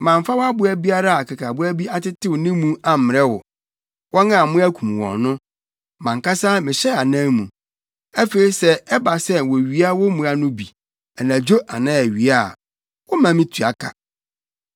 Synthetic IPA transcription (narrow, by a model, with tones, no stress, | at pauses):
mã˨m˨fa˦wɔ˦a˦bʊ˨˦æ˦bi˦a˦ɾa˦a˨kʰa˨kʰa˨bʊ˦æ˦bi˦a˦tɪ˦tʰɪ˦wʊ˨nɪ̃˦mũ˦a˨m̩˨mɪ˨ɾɛ˦wɔ̰˨ | wʔɔ˦nã˦˨mʊ̃˦æ˦kʰũ˨m˨wɔ̰̃˨nnʊ̃˦ | mã˨ŋ˨ka˦sa˦mɪ̃˨ɕɛ˦a˨nã˦mũ˨ | æ˦fe˨i˦sɛ˦ɛ˦ba˨sɛ˦wɔ˨ɥi˨˦a˦wɔ˦mũ˨a˨nʊ̃˦bi˨ | ɛ˨nã˨d͡ʑo˦ʔa̰˨nã˦æ˨ɥi˨a˦˨ | wɔ˦mã˨mɪ̃˦tʰu˨a̰˨kʰa̰˨